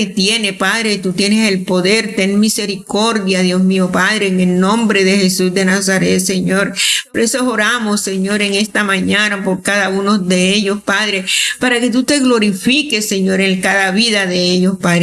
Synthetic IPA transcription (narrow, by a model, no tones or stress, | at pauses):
et̪je̞ne̞paðɾet̪ut̪jenese̞lpo̞ðe̞ɾt̪eŋmise̞ɾiko̞ɾðjaðjosmiopaðɾeːŋe̞lnõ̞mbɾe̞ðexe̞susd̪e̞nas̬aɾe̞t̪se̞ɲo̞ɾpoɾesooɾamosːe̞ɲo̞ɾe̞ŋe̞st̪amãɲanapo̞ɾkaðaunozðe̞eʎo̞spaðɾepaɾake̞t̪̬ut̪e̞ɣlo̞ɾifikesːe̞ɲo̞ɾeŋkaðaβiðaðe̞eʎospaðɾe